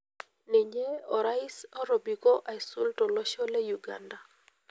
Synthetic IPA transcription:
ne˨ɲe˦ɔ˨ɾa˦i˦sɔ˦ɾɔ˨bi˨kɔ˦ʔa˨ɪ˨su˦ltɔ˨lɔ˦ʃɔ˦le˦ju˨ɡa̰˨nda˨

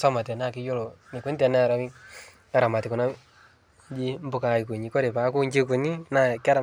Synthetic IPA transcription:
sa˦ma˨tɛ˨na˦˨kɪ˦jo˦lɔ˨ni˨ku˦n˦tɛ˨nɛ˦˨ɾa˦wɪ˦ | a˦ɾa˨ma˨tɪ˨ku˨na˦ | d͡ʒi˦m˦bʊ˦ka˨i˨ku˨ɲi˨kɔ˦ɾe˨pa˨˦ku˦ɲe˦ku˨ɲi˦na˦ka˦ɾa˨

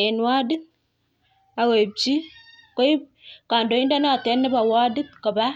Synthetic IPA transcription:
nwa˦di˦t̪̚ | a˨we˨p̚t͡ʃi˦ | ko˦i˦ | ka˨ndo˨˦i˦nda˦n˦a˦˨tɛ˨˦nːɪ˦ba˨wa˦di˦t̪̚kə˨ba˦

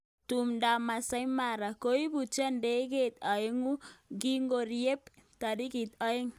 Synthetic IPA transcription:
t̪u˨mda˨ma˨sa˦jma˨ɾa˨ko˦i˦bu˨t͡ʃa˦nde˦ɡe˦t̪a˨e˦ŋu˦ɡi˦ŋɡo˨ɾie˦pt̪a˨di˦ɡi˨t̪a˦e˦ŋ

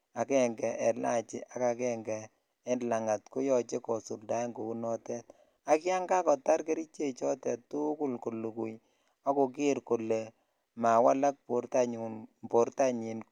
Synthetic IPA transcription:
a˨kɛ˦˨ŋɡɛ˨ʔɛ˨la̰˦˨t͡ʃɪ˦ʔa˦ka˨kɛ˦ŋɡɛː˨˦ | nla˨ŋa˨tko˦jɔ˦t͡ʃe˦kɔ˨su˨lda˨˦ŋɡo˨ku˦nɔ˦tɛ˦t̚ | a˦kɪ˦a˦ŋɡa˦kɔ˨ta˦ɾke˦ɾi˦t͡ʃe˦˨t͡ʃɔ˦tɛ˨ttːu˦ku˦lko˨lu˨ku˨j | a˦ko˨k̬i˦ɾko˨le˨ | ma˨wa˦la˦k̚po˨ɾta˦ɲu˨npo˨ɾta˦ɲi˨n

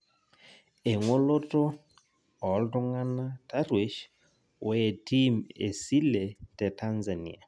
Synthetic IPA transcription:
e˨ŋo˦lɔ˦tʼɔ˦ | ɔ˨ldɔ˦ŋa˦na˦tʰa˦rwi˦ʃ | we˨tʰi˦mḛ˨si˦lɛ˨tɛ˨tʰa˦nza˨nḭ˦˨a˨

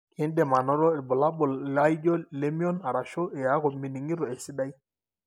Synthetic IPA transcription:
ɛ˦ndɛ˨ma˨nɔ˦ɾɔ˦e˨bɔ˨la˦bɔ˨lla˦i˦d͡ʒɔ˦lɛ˦mi˦ɔ˦na˨ɾa˨ʃɔ˦ɛ˨ja˨˦kɔ˨mi˨ni˨ŋi˦ɾɔ˨e˨si˦da˦i˦

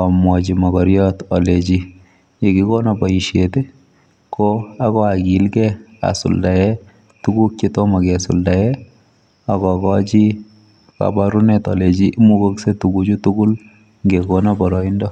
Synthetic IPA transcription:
amwɔ˨t͡ʃi˨makɔɾjɔtɔlet͡ʃi˦ | je˨ki˦ko˦naba˨i˨ʃete˦ | koa˦kɔ˦a˨ki˦lkɛa̰˨sṵ˨lda˨jɛ˦ | tu˦ɡu˦k̚t͡ʃe˦tɔ˦ma˨ke˨sṵlda˨jɛ˦ | a˨kɔ˨kɔ˦t͡ʃi˦ | ka̰ba˦ɾu˦netɔ̰le˨t͡ʃi˦ʔmu˦ko˦kse˦tuɡud͡ʒutuɡu˦l | ŋɡekɔnabɔɾɔi˦ndɔ˦

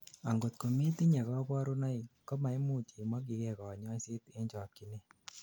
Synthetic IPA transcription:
a˨ŋɡo˨t̪ko˨me˦ti˦ɲɛ˨kɔ˦pɔ˦ɾʊ˦nɔ˦i˨kɔ˦ma˨i˦mu˦t͡ʃi˨mɔ˦ɡɪ˨kɛ˨kɔ˨ɲɔ˦sɪ˦t̪e˦ɲd͡ʒɔ˨ki˨ne˦

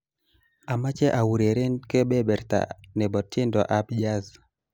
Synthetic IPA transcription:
a˨ma˦t͡ʃɛ˦ʔa˨wu˨ɾe˨ɾe˦nke˦bɛ˦bɛ˨ɾt̪a̰˨ne˨bɔ˨tje˦ndɔ̰˨ʔa˦bd͡ʒa˦z

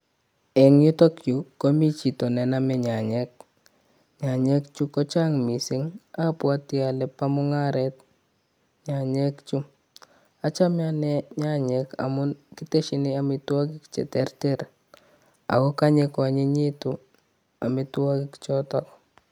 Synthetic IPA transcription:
ɛ˨ŋɲu˦tɔ˦kt͡ʃukomi˦t͡ʃi˨to˨nɛ˨namɛɲa˨ɲɛk̚ | ɲa˨ɲɛ˦kt͡ʃu˦kɔ˦t͡ʃa˦ŋmi˨sɪ˦ŋapwatia˨lɛpamʊŋa˦ɾɛt̚ | ɲa˨ɲɛ˦kt͡ʃu˦ | a˦t͡ʃa˦mjanɛɲa˦ɲɛka̰˨mʊ˦nki˦te˦ʃɪniamɪtwa˦kɪkt͡ʃɛ̰˨tɛrtɛɾ | a̰˨kɔ˦ka˦ɲekɔ˨ɲe˦ɲi˦tu | a˨mɪtwa˦kɪkt͡ʃɔtɔk

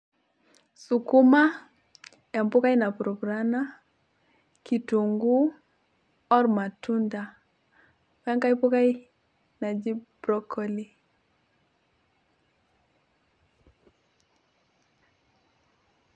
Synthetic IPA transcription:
su˨ku˦ma˦ | ɛ˨mpʊ˦ka˦i˦na˨pɾɔ˨ɡɾana˦ | ki˨tu˨ŋɡu˦ | ɔ˦ɾma˨tunda˨ | wɛ˦ŋka˦i˦pʊ˦ka˦ji˦ | na˨d͡ʒi˦bɾɔ˦kʰɔ˦li˦

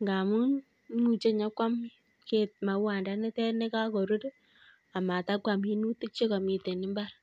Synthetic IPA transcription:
ŋɡa˨mu˦n | mu˨t͡ʃe˦ɲa˦kʷa˦m | ke˨t̚ma˨wa˨nda˦ne˦tɛ˦ne˦ka˦ko˨ɾu˦ɾ | a˨ma˨ta˦kwa˨mi˦nu˦ti˦k̚t͡ʃe˦kɔ˨mi˨te˨nɪ˦mba˦ɾ

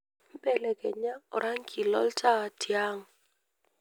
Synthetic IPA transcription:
m̩˦pʼɛ˦˨lɛ˨kʼɛ˨ɲa˦ʊ̰˨ɾa˦ŋ̩˦kʰʼi˨lɔ̰˦ltʼa˦a˨tʰi˨a˦ŋ̩˨

